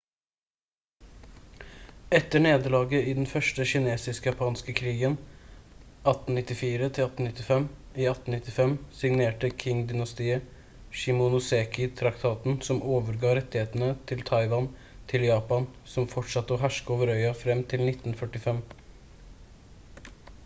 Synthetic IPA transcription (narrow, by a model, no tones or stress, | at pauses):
ɛt̪ːəɳeːd̪əlɑːɡəiːd̪ɛnfœʂʈəçɪneːsɪskjɑpʰɑːnskəkʰɾiːɡən | ɑt̪n̩nɪt̪ːɪfiːɾət̪ʰɪlɑt̪n̩ɪt̪ːɪfɛm | iːɑt̪n̩nɪt̪ːɪfɛmsɪŋneːʈəkʰɪŋd̪ɪnɑst̪iːə | ʃɪmʊnʊseːkɪt̪ʰɾɑkt̪ʰɑːt̪n̩sɔmʔoːʋəɾɡɑːɾɛt̪ːɪheːt̪n̩ət̪ʰɪlt̪ʰɑɪʋɑn | t̪ʰɪljɑːpɑnsɔmfɔʈʂɑt̪ːəɔːɦæʂkoːʋəɾœʏɑfɾɛmt̪ʰɪlnɪt̪ːnfœʈːɪfɛm